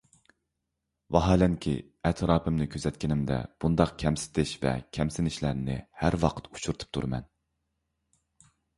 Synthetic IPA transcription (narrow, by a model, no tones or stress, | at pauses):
vɑɦɑːlɛnkʲʰḭ | ɛt̪ʰɾɑːpʰɨmnɪkʲʰøzɛt̪ʲkʲɪnɪmd̪ɛ̰b̥und̪ɑqkʲʰɛmsɪ̥t̪ʰɪʃvɛ̰kʲʰɛmsɪnɪʃlæɾnɪ̰hæɾwɑqʰə̥t̪u̥t͡ʃʰuɾt̪ʰɨ̥p̚t̪ʰuɾɨmɛ̰n